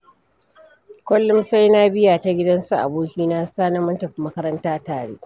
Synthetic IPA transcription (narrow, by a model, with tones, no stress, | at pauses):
kʷɔ˦lːʊ˦msa˦jnaː˦bɪ˦jaː˨ta˦ɡʲɪ˦dɐ˦nsu˨ʔa̰˨buː˦kʲiː˦naː˦saː˦na˦mɐ˦ntɐ˨ɸi˦mːɐ˦kɐ˦ɾɐ˦ntaː˦taː˨ɽḛː˦ʔ